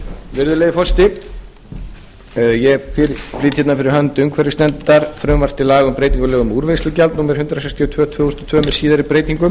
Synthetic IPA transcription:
vɪɾðʏlejðɪfɔst̪ɪ | jɛfɪɾfliːt̪çɛt̪nafɪɾɪɾɦœnt̪ʏmkʰvɛɾɪst̪ɛnt̪aɾ̥fɾœːmvaɾ̥t̪ɪlaːɣʏmpɾeːjt̪iŋkʏlɛːɣʏmuːɾvɪnslʏcalt̪nuːmɛɾ̥hʏnt̪ɾasɛkst̪ʰiɔt̪ʰvœːt̪ʰv̥ʏːɣhɔst̪ɔ̥t̪ʰvœːmɛɾsiːðaɾɪpɾeːjt̪iŋkʏm

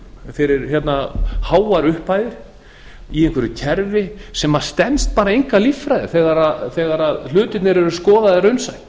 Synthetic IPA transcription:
fɛɾɪɾçjɛt̪nahaːwaɾʏhpaːjðɪɾ̥ | iɛŋkʰvɛɾʏcʰɛɾvɪsɛmːast̪ɛnst̪̚paːɾaejŋkalifːɾajðɪ̰θɛɣaɾaðθɛːɣaɾaðl̥ʏːt̪ɪt̪nɛɾɛɾʏskɔːðaðɪɾœɥnsaj̪

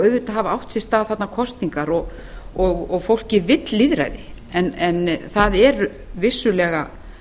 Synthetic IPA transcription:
œːɥvɪt̪aɦaːvaawht̪sɪst̪aːðθat̪nakʰɔst̪niŋkaɾɔɣ | ɔɣɔɣfowl̥cɪvɪt̪liðɾa̰jðɪ | ɛnɛnθaðɛɾ | vɪsːʏlɛːɣa̰

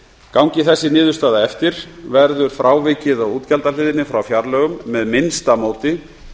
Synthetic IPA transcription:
kawŋcɪθɛsːɪnɪːðʏst̪aːðaɛft̪ɪɾ̥vɛɾðʏɾ̥fɾʔaːwvɪcɪðawuːt̪calt̪alɪːðɪnɪfɾawfjaɾlœːɣʏmːɛðmɪnst̪amoːwt̪ɪ

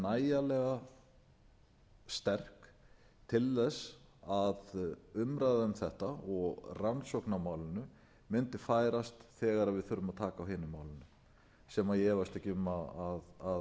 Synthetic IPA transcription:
naːjalɛɣa | st̪ɛr̥k | t̪ʰɪlːɛsaðʏmɾajðaʏmθɛht̪aɔɣransɔknamaːwlɪnʏ | mɪnt̪ɪfaːjɾast̪θɛːɣaɾaðvɪðθʏɾʏmaðt̪ʰaːkaːwɦɪːnɪmaːwlɪnʏ | sɛmajɛːvast̪ɛcɪʏmaaðað

